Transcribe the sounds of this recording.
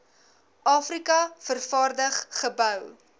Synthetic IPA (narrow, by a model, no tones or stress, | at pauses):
ʔɑːfrikɐfərfɑːrdəχχəbœw